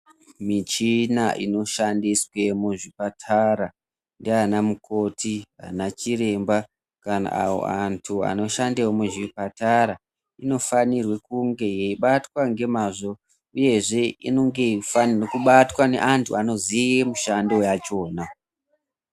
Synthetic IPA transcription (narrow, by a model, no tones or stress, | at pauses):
mit͡ʃinaʔḭno̞ʃandiswe̞muʐipatʰaɾa | ndianamukʰo̞tʰia̰nat͡ʃire̞mba | kana̰ʔa̰wo̞̰antʰua̰no̞ʃandewomuʐipataɾa | ino̞fanirwe̞kuŋɡe̞je̞iɓatwaŋɡe̞maʐo̞ | uje̞ʐe̞ḭno̞ŋɡe̞fannokuɓatwane̞̰ʔantʰuano̞zijemuʃando̞jat͡ʃo̞ːna